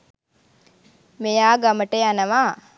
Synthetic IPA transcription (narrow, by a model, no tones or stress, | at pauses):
mejaːɡaməʈejanəʋaː